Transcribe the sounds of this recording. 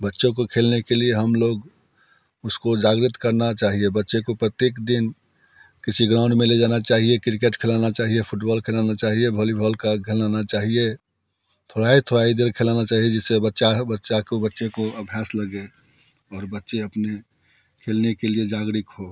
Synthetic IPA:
bətːʃõkokʰeːlnekelieɦəmloɡ | ʊskod͡ʒaːɡɾɪt̪kəɾnat͡ʃaːɦiebətːʃekopɾət̪jeːkd̪ɪn | kɪsʰiɡɾãʊ̃ɳɖmẽled͡ʒaːnat͡ʃaːɦiekɾɪkeʈkʰelanat͡ʃaːɦiepʰʊʈbɔːlkʰeːlanat͡ʃaːɦiebʱolibʱəlkakʰelanat͡ʃaːɦie | t̪ʰoːɽaɦit̪ʰoɽaid̪eɾkʰelanat͡ʃaːɦied͡ʒɛsebətːʃabətːʃakobətːʃekoəbʱjaːsləɡe | ɔːɾbətːʃeəpne | kʰeːlnekelied͡ʒaːɡɾɪkɦo

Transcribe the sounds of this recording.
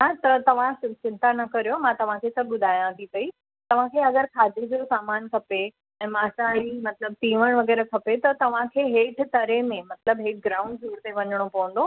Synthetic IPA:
at̪ɐt̪ɐʋ̤ãɪt͡ɕɪ̃nt̪anɐkɐɾijomãt̪ɐʋ̤ãkʰeːsɐb̚ɠʊd̪ʱaːjãt̪ʰipɐi | t̪ɐʋ̤ãkʰeɐɡəɾkʰaːd̪id͡ʑosaːmaːnkʰɐpe | ɛ̃ːmaːsãimɐt̪ləb̚t̪ĩːʋəɽ̃ʋɐɣɛːɾəkʰɐpet̪ɐt̪ɐʋ̤ãkʰeːɦeːʈʰt̪ɐɾemẽmɐt̪ləbɦek̚ɡɾaːʊ̃ɳɖzuːɽt̪eʋɐɲəɽ̃opɐʋə̃nd̪oː

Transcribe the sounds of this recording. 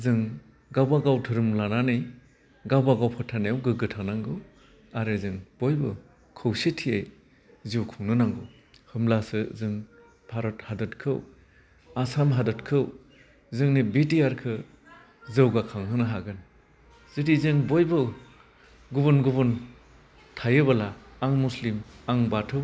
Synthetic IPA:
zɯŋ | ɡawbaɡawtʰɯɾɯmlananɯj | ɡawbaɡawpʰɔtʰanejwɡɯɡɯtʰanaŋɡɯ | aɾɯzɯŋb̥ojbɯ | kʰɯwsitʰiej | ziuwkʰuŋnɯnaŋɡɯw | hɯmlasɯzɯŋ | pʰaɾɔthadɯtkʰɯw | asamɦadɯtkʰɯw | zɯŋnibitiaɾkʰɯ | zɯwɡakʰaŋɦɯnɯɦaɡɯn | z̥itizɯŋbojbɯ | ɡubɯnɡuβɯn | tʰajɯbalaːŋmuslimaŋbatʰɯw

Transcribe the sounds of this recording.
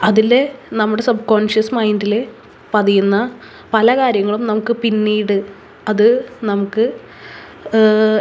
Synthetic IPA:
ɐðilenɐmːuɽe̞sɐbko̞ːnʂjɐsmɐjndile | pɐðijunːɐ | pɐlɐkaːɾjɐŋːɐɭumnɐmukːɨpinːiːɽɨ | ɐðɨnɐmukːɨ

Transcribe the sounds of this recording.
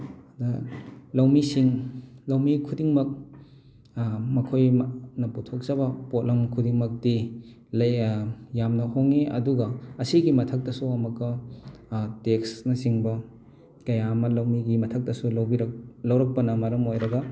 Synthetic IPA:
dɐlɐwmisiŋlɐwmikʰudiŋmɐk̚ | mɐkʰojmnɐputʰok̚zɐbɐpot̚lɐmkʰudiŋmɐk̚di | lɐjjamnɐhoŋeʔɐ̰duɡɐɐsiɡimɐtʰɐk̚tɐsuɐmɐkːɐ | teksnɐsiŋbɐ | kɐjamɐlɐwmiɡimɐtʰɐk̚tɐsulɐwbiɾlɐwɾɐk̚pɐnɐmɐɾɐmojɾɐɡɐ

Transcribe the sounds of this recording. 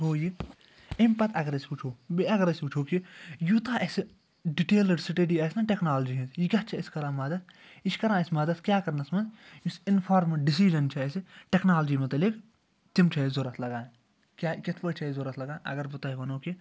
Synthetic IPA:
ɦoːji | ɐmpɐt̪ʰɐɡɐɾɐsʲput͡ʃʰoːbiɐɡɐɾɐsʲput͡ʃʰoːkijut̪aːʔɐsi | ɖiʈeːlɐɖsiʈeɖiːɐsnaʈeknaːlɐd͡ʒiːɦizjiɡʲɐt̪t͡ʃʰɐɪskɐɾãːmɐːd̪ɐt̪ | ɪskɐɾãːɐsmɐd̪ɐt̪kʲjaːkɐɾnɐsmɐd̪jusɪnpʰaːɾmɐɖisiːd͡ʒɐnt͡ʃʰɐesiʈeknaːlɐd͡ʒiːmɐt̪ɐlik | t̪imt͡ʃʰɐzoɾɐt̪ʰlɐɡaː | kʲaːkɐt̪ʰpɐt͡ʃʰɐzoɾɐt̪ʰlɐɡaːʔɐ̰ɡɐɾbɐt̪ɐːkɐnoːki

